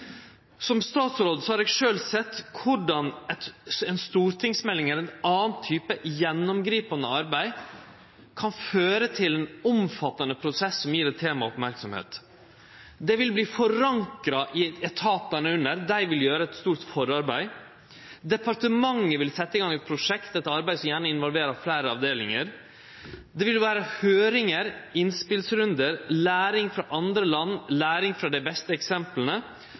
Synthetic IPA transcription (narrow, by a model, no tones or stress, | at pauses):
sɔmst̪ɑːt̪sɾoːd̪əsɔhɑɾɛːɡʂøːlsɛt̪ːkʰʊɖɑnɛt̪ɛnst̪uːɾt̪ʰɪŋsmɛlːɪŋɛlɛnɑːn̩t̪ʰːyːpəjɛnːʊmɡɾiːpɑnəɑɾbæɪ | kʰɑnføːɾət̪ʰɪlɛnɔmfɑt̪ːənəpʰɾʊsɛsːɔmjiːɾɛt̪ʰeːmɑɔpmæɾksɔmhḛːt̪ | d̪ɛʋɪlbliːfɔɾɑŋkɾɑʔɪɛt̪ʰɑːpənəʉnəɾd̪æɪʋɪljøːɾəɛt̪st̪uːɾt̪fɔɾɑɾbæɪ | d̪ɛpɑɾt̪əmɑŋːəʋɪlsɛt̪ːəɪɡɑŋɛt̪̚pʰɾʊʂɛkt̪ɛt̪ɑɾbæɪsɔmjæːɳəɪnʋɔlʋeːɾɑflæɪɾəɑʋd̪eːlɪŋəɾ | d̪ɛʋɪlʋæːɾəhøːɾɪŋəɾɪnspɪlsɾʉnd̪əɾlæːɾɪŋfɾɑʔɑnd̪ɾəlɑnːlæːɾɪŋfɾɑd̪ɛɪbɛst̪əɛksɛmplənə